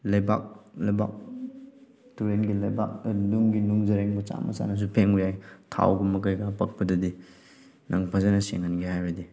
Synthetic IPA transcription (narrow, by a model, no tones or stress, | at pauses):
lɐjbak̚lɐjba̰k̚ | tuɾenɡilɐjbak̚nuŋɡinuŋzɐɾeŋbɐt͡ʃa̰mɐ̰sa̰nɐs̬upʰeŋɾijajtʰa̰wɡumɐkajɡapɐk̚pɐdɐdi | nʔɐŋpʰazanɐseŋanɡihajɾɐdi